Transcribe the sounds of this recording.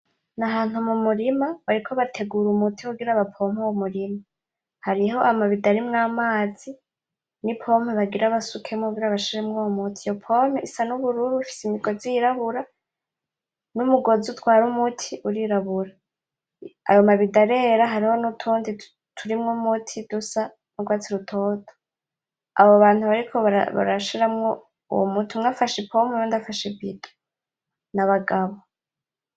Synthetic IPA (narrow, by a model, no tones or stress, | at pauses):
naɦaːn̥humumuɾimaβaɾikʰo̞βatʰe̞ɡuɾumutʰikuɡiɾaβapʰo̞ːm̥hewomuɾima | haɾiɦo̞ʔamaβidaɾimŋaːmaːz̥i | nipʰo̞ːmeβaɡiɾaβasukʰemoɡiɾaβaʃiɾemŋomutʰijopʰo̞meisanuβuɾuɾuβufi̥simiɡoziɾaβuɾa | mumuɡo̞zutwaːɾumutʰiʔuɾiɾaβuɾa | a̰jo̞maβidaɾe̞ɾaɦaɾiho̞nutʰuːndi | tʰuɾimŋumutʰid̥usa | nuɡwaːt͡siɾutʰotʰo̥ | a̰βoβaːn̥huβaɾikʰoβa̰βa̰ɾaʃiɾamŋo | ṵwomutʰumŋaːfaʃepʰomenondafaʃebiɡḁ | naβaɡaβo